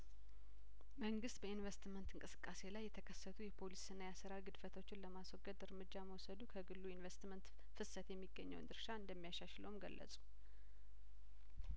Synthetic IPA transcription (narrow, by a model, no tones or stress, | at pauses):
məŋɡɨst̪̚bəinvest̪mənt̪ɨŋkʼɨsɨ̥kʼːase̞lajːɛt̪ʰəkʰəsːət̪ʰujɛpʰo̞lisɨnːajasɨɾaɡɨd̪fət̪ʰo̞t͡ʃːɪnləmaswɔɡəd̪ɨɾmɨd͡ʒːaməwɔsəd̪ukʰəɡɨlːuinvest̪mənt̪ | fɨsət̪jɛmːiɡːəɲːəwnd̪ɨɾʃaɨnd̪əmːijaʃaʃləwumɡə̰lːə̰sʼu̥